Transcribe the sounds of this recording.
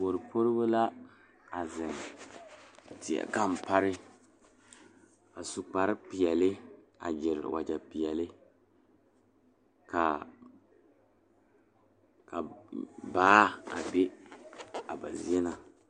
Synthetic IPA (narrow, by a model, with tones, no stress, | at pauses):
bo˨ɾɨ˨pʰo˦ɾɨ˦bo˦la˦ | a˨zɪ˨ŋ | tɪ˨a̰˨ka˦˨m˨pa˦ɾɪ˦ | a˨su˨k͡pa˨ɾɪ˦pɪ˨ɛ˨lɪ˦ | a̰˨d͡ʒɪ˨ɾɪ̰˨wa̰˨d͡ʒa˨pɪ˨jɛ˨lɪ˦ | ka˨ | ka˨baː˦a˨be˦ | a˨ba̰˨zḭ˦ɛ˦na˨